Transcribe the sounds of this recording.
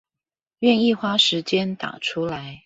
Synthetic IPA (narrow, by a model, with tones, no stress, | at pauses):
ɥɛ˥˧ni˥˩xwa˥ʂɻ̩˧˥t͡ɕjɛ˥nt̪a̰˨˩ʈ͡ʂʰu˥la˨˦ɪ